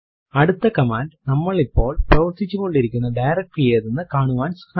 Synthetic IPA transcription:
ɐɽut̪ːɐkɐmaːnɖnɐmːɐɭipːo̞ːɭprɐʋɐɾt̪ːit͡ɕːukːo̞ɳɖiɾikʲːunːɐɖɐjrɐk̚ʈɨjeːðenːɨkaːɳuʋaːnsha

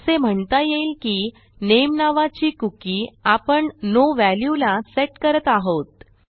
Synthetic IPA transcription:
sem̤əɳt̪ajeilkiː | nemnaʋat͡ɕiːkukiːapəɳnoʋæljulaseʈkəɾət̪aɦot̪̚

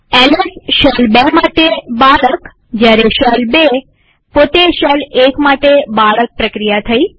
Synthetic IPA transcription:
ɛlesʃəlbemaʈebaɭək | d͡ʒjaɾeʃəlbe | pot̪eʃəlekmaʈebaɭək̚pɾəkɾijat̪ʰəi

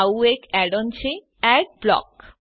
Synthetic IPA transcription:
wekɛɖɔnt͡ɕʰe | ɛʈ̚blɔ̰k

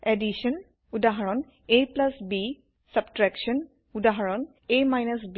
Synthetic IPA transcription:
edisɔn | udaɦaɹɔn | ejplasbi | sab̚tɹɛksɔn | udaɦaɹɔn | ejmajnasbi

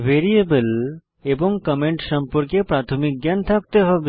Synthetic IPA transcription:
beɾiebəl | ebɔŋkəmeɳʈʃʌmpɔɾkepɾat̪ʰomik̚ɡjant̪ʰak̚t̪eɦɔb

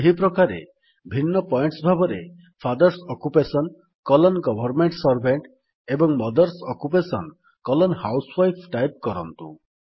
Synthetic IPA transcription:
eɦipɾɔkaɾḛ | bʱinːɔpɔjɳʈsbʱabɔɾe | pʰad̪ɔɾsɔkupesɔn | kɔlɔnɡɔbʱɔɾmeɳʈsɔɾbʱeɳʈ | ebɔŋmɔd̪ɔɾsɔkupesɔn | kɔlɔnhawswajpʰʈajp̚kɔɾɔnt̪u

